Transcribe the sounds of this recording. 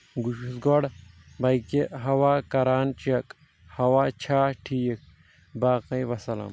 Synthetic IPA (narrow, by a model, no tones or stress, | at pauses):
ɡuʃusɡoɽ | bɐjkeɦɐwaːkɐɾaːnt͡ʃɐk | hɐwaːt͡ʃʰaːʈʰiːjek̚ | baːqɐjʋɐsɐlɐ̰m